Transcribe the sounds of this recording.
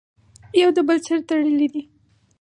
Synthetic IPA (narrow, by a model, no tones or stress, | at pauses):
jawd̪əbəlt͡səɾt̪aɽəlid̪i